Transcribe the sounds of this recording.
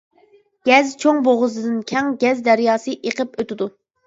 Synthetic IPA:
ɡ̥ʲɛzt͡ʃʰoŋboʁʊzɨd̪ɨnkʲʰɛŋɡʲɛzd̪æɾjɑːsɨʔeqəpøt̪ɪd̪u

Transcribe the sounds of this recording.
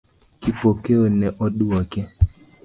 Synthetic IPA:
kipɔkɛɔnɛʔɔɗuakɛ

